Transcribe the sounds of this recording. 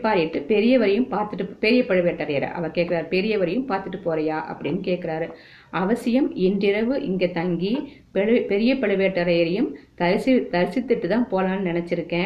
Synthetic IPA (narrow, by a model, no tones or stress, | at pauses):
pːaːɾɪʈːɯpɛɾɪjɐʋɐɾɐjɯmpaːɾt̪ɯʈːɯpɛɾɪjɐpɐɻɯʋeːʈːɐɾɐjɐɾɐ̰ʔɐ̰ʋɐɾkeːʈ̚kɪɾaːɾpɛɾɪjɐʋɐɾɐjɯmpaːɾt̪ɯʈːɯpːoːɾɐjaːʔɐ̰pːɐɽɪnːɯkeːʈ̚kɪɾaːɾɯ | ʔɐʋɐsɪjɐmɛndɪɾɐʋɯʔɪŋɡeːt̪ɐŋɡi | ppɛɾɪjɐpɐɭɯʋeːʈːɐɾɐjɐɾɐjɯmt̪ɐɾsɪt̪ɐɾɪsɪt̪ːɯʈːɯt̪ãːnpoːlaːnɯnɪnɛt͡ʃːɪɾɯkːẽː